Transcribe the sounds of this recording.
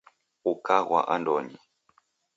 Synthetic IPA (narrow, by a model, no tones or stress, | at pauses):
ukaɣwa̰ʔandɔɲi